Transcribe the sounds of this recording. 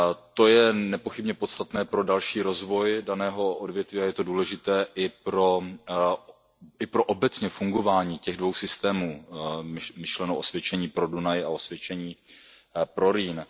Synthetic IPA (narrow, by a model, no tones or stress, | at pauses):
t̪o̞jɛnɛpo̞xɪbɲɛpot̪st̪at̪nɛːpɾo̞dalʃiːɾo̞zvo̞jdanɛːɦo̞ʔodvjɛt̪viːajɛt̪o̞duːlɛʒɪt̪ɛːʔɪpɾo̞ | ɪpɾo̞ʔobɛt͡sɲɛfuŋɡo̞vaːɲiːcɛɣdvo̞wsɪst̪ɛːmuː | mɪʃlɛnowʔosvjɛt͡ʃɛɲiːpɾo̞dunajao̞svjɛt͡ʃɛɲiː | pɾo̞ɾiːn